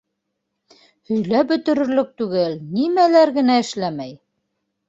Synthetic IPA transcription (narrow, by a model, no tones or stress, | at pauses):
hɵ̆jlæbɵ̆t̪ɵ̆ɾɵ̆ɾlɵk̚t̪ʉɡɘlnimælæɾɡɘ̆næɘ̆ʃlæmæj